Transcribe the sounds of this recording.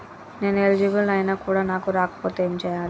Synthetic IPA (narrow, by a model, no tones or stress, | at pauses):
ne̞ːnelid͡ʒibɐlɐjnaːkuːɽaːnaːkuɾaːkɐ̥poːt̪eːmit͡ʃɛjaːli